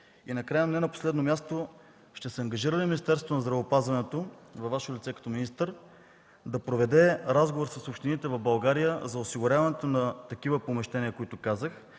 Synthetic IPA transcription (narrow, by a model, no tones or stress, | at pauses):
inɐkɾajənɛnɐpo̥slɛd̪nomʲjast̪o | ʃt̪ɛsɛɐŋɡɐʒiɾəlʲiminist̪ɛɾsot̪onɐzd̪ɾɐvoːpazvɐnɛt̪ovɐvːaʃolʲit̪sɛkɐ̥t̪ɔminist̪əɾ | d̪ɐpɾovɛd̪ɛɾazɡovoɾsɐsopʃt̪init̪ɛvɐvbɐlˠɡaɾijəzɐʊsiɡʊɾʲavɐnɛt̪onɐt̪ɐkivəpomɛʃt̪ɛniəkoit̪ʊkazəx